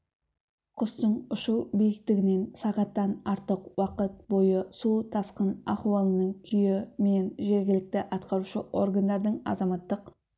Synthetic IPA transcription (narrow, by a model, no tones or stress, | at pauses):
qʰʊst̪əɴʊʃubijɪk̚t̪ɪɡʲɪne̞nsɑʁɑt̪ːɑnɑɾt̪əqwɑqət̪̚bo̞jəsut̪ʰɑsqənɑχuwɑlˠənəɴkʲʰʏjɪme̞nʒe̞ɾɡʲɪlɪk̚t̪ɪʔɑt̪qɑɾuʃəʔo̞rɡand̪ɑɾd̪əɴɑ̰zɑmɑt̪ːəq